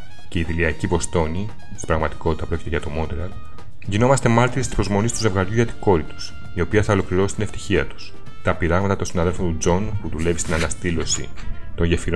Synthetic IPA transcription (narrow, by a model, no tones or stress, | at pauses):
ce̞iðiliɐcivo̞st̪o̞ni | st̪i̥bɾɐɣmɐt̪i̥ko̞t̪it̪ɐpuɾo̞cit̪eʝɐt̪o̞mo̞d̪eɾɐl | ʝino̞mɐst̪e̞mɐɾt̪iɾest̪ispɾo̞zmo̞nist̪uze̞vɣɐɾʝuʝɐt̪i̥ko̞ɾit̪u̥s | io̞piɐθɐolo̞kliɾo̞si̥t̪ine̞ft̪i̥çiɐt̪u̥s | t̪ɐpiɾɐɣmɐt̪ɐt̪o̞nsinɐðe̞lfo̞nt̪ud͡zo̞npuðule̞vist̪inɐnɐst̪ilo̞sḭt̪o̞nʝefiɾo